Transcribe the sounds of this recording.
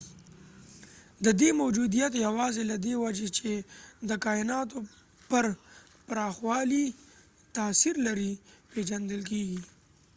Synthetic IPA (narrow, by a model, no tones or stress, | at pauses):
d̪əd̪emowd͡ʒud̪ijat̪jawɑzelad̪ewad͡ʒet͡ʃed̪əkɑɪnɑt̪o | pəɾ | paɾɑxwɑli | t̪aːsiɾlaɾiped͡ʒand̪əlk̬eɡi